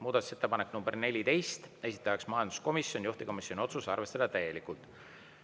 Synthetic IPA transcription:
muːd̪ɑt̪u̥set̪ːepɑnekːnumbe̞rne̞lʲit̪e̞jst̪e̞sʲi̥t̪ːˑɑjɑksmɑjɑnd̪̥usko̞misjo̞nʲjuht̪iko̞misjo̞nʲio̞t̪susɑ̰rve̞st̪ɑd̪̥ɑt̪æje̞likult̪

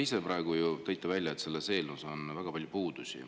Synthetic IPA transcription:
ise̞prɑeɡ̥ujut̪æjt̪ːˑɑvælʲjɑet̪ːse̞lːese̞ːlnuso̞nvæɡ̥ɑpɑlʲjupuːd̪̥usḭ

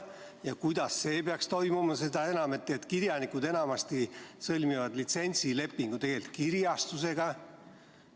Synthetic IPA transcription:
jɑkujd̪̥ɑsːe̞ːpeɑkst̪o̞jmumɑse̞d̪̥ɑe̞nɑmet̪ːˑet̪kirjɑnikud̪e̞nɑmɑst̪isɤlʲmivɑd̪lit̪se̞nʲsile̞pːiŋɡ̥ut̪e̞ɡ̥elʲit̪̚kiɾjɑst̪use̞ɡ̥ɑ

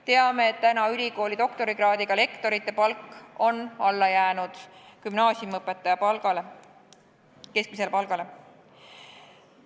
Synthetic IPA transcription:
t̪e̞ɑme̞ːt̪t̪ænɑylʲiko̞ːlʲid̪o̞kt̪o̞ɾiɡrɑːd̪iɡ̥ɑle̞kt̪o̞ɾit̪ːˑe̞pɑlkːo̞nɑlːɑjæːnud̪̥kymnɑːsʲjumɤpːˑet̪ːˑɑjɑpɑlɡɑle | ke̞sk̚mise̞lpɑlɡ̥ɑle̞

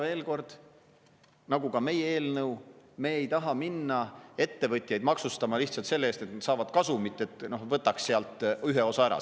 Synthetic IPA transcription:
ve̞ːlko̞rd̪̥ | nɑɡukɑme̞jee̞ːlnɤwme̞ːejt̪ɑɦɑminːɑe̞t̪ːe̞vɤt̪ʲˑjɑjd̪mɑksust̪ɑmɑliht̪sɑlt̪se̞lːeest̪e̞t̪nsɑːvɑd̪̥kɑsumit̪ːˑe̞t̪ˑno̞hvɤt̪ːˑɑksːeɑlt̪ˑyɦeo̞sɑæɾɑ̰

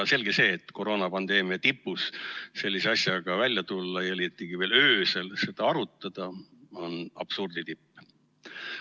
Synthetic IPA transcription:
ɑse̞lɡ̥ese̞ːt̪ːko̞ɾo̞ːnɑpɑnd̪e̞ːmiɑt̪ipːusse̞lʲːise̞ɑsjɑɡ̥ɑvælʲjɑt̪ulːɑjɑelit̪ːˑiɡ̥ive̞ːløːselse̞d̪̥ɑɑɾut̪ːˑɑd̪̥ɑo̞nɑ̰b̥surd̪it̪ipː

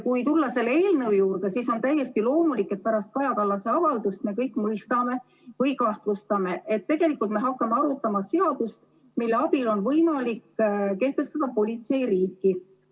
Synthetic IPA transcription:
kujt̪ulːɑse̞lːeeːlnewjuːrd̪e̞siso̞nt̪æjːe̞st̪ilo̞ːmulikːˑe̞t̪̚pæɾɑst̪̚kɑjɑkɑlːɑse̞ɑvɑld̪ust̪̚me̞kɤjkːˑmɤjst̪ɑme̞ | vɯjkɑht̪vust̪ɑme̞ʔet̪ːe̞ɡ̥e̞likːult̪me̞ɦɑkːˑɑmeɑɾut̪ːˑɑmɑse̞ɑd̪̥ust̪ | milːeɑb̥ilo̞nvɤjmɑlikːke̞ht̪e̞st̪ɑd̪̥ɑpo̞lʲit̪se̞jriːkːˑi

